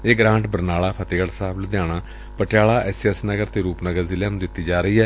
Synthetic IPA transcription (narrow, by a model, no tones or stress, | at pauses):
eːɡɾãːɳʈbəɾnaːlaːpʰət̪eːɡəɽsaːbld̪jãːɽ̃aː | pəʈɪjaːlaːʔɛːsɛsnəɡəɾt̪eːɾuːpnəɡəɾzɪljaːnũːd̪ɪt̪ːiːd͡ʒaːɾəiːɛː